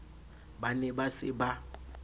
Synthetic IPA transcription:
banɛbasɪ̰ba

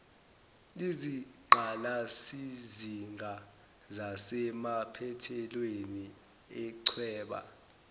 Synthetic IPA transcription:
liziǃʱalasiziŋʱa | zasɛmapʰɛtʰɛlweni | ɛǀʰwɛːɓa̰

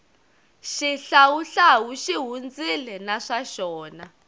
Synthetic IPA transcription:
ʃiɬawuɬawuʃiɦund͡zilɛnaʂaʃɔːna

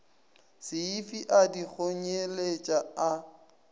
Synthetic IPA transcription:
sɪifiʔadik͡xʰoɲelet͡ʃʼaa

